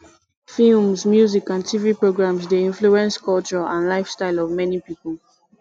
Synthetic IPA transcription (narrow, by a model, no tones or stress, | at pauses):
filmsmjuzikãntʰivipɹoɡɹãmsdeĩnfluɛ̃nskʰɔlt͡ʃə˞ãnlaɪfstaɪlɔvmɛnipipəl̩ˠ